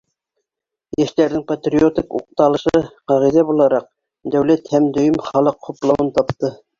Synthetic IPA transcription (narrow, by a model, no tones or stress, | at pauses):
jæʃt̪æɾðɘŋpɐt̪rʲiot̪ikṵq̚t̪ɑlˠɤ̆ʃɤqɑʁiðæbulˠɑɾɑq̚ | d̪æwlæt̪hæmd̪ɵ̆jɵmχɑlˠɤqχuplˠɑwɤnt̪ɑpt̪ɤ